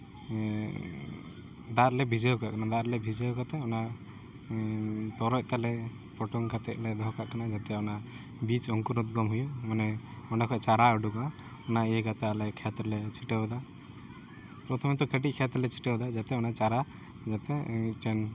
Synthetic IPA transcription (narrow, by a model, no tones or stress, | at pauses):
d̪aɾlɛbʱid͡ʒɛjɔkakanad̪aɾlɛbʱid͡ʒɛjɔkat̪ɛɔna | t̪ɔɾɔc̚t̪alɛ | pɔʈɔŋkat̪ɛk̚lɛd̪ʱɔkaʔkanad͡ʒat̪ɛɔna | bit͡ʃɔŋkuɾɔt̪̚ɡɔmɦujumanɛɔnakʰɔt͡ʃaɾaəɖukana | ɔnaɛkat̪aalɛkʰɛt̪ɾɔlɛt͡ʃʰiʈɛbd̪a | pɾɔt̪ʰɔmɛt̪ɔkʰeʈ̬ic̚kʰɛt̪ɾlɛt͡ʃʰi̥ʈɛwd̪ad͡ʒat̪ɛɔnat͡ʃaɾa | d͡ʒat̪ɛʈɛn